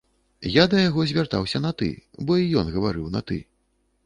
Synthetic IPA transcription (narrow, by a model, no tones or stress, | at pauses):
jad̪ɐjaɣɔzʲvʲart̪a̰wsʲɐnɐt̪ɨ̰bɔijɔnɣɐvaɾɨwnɐ̰t̪ɨ̰